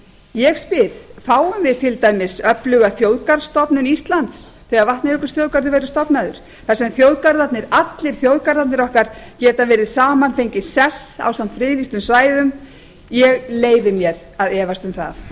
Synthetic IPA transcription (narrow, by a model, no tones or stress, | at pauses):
jɛɣspɪðfaːwʏmvɪt̪ʰɪlt̪aːjmɪsœplʏɣaθjoːwðkaɾst̪ɔpnʏnist̪lant̪s | θɛːɣaɾvaht̪nɪʏkʏ̥sθjowðkaɾðʏvɛjɾʏ̥st̪ɔpnaðʏ̰ɾ̥ | θasɛmθjowðkaɾðat̪nɪɾat̪lɪɾ̥θjowðkaɾðat̪nɪɾɔhkaɾ̥cɛːt̪avɛːɾɪðsaːmanfejɲcɪsɛsa̰wsamfɾɪːðist̪ʏmsvaːjðʏm | jɛɣleːjvɪmjɛɾ̥ | aðɛːvast̪ʏmθa̰θ